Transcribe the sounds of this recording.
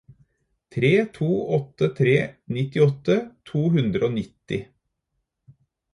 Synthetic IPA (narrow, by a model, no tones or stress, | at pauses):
t̪ʰɾeːt̪ʰuːɔt̪ət̪ʰɾeːnɪt̪ɪɔt̪ət̪ʰuːɦʉnd̪ɾəoːnɪt̪ɪ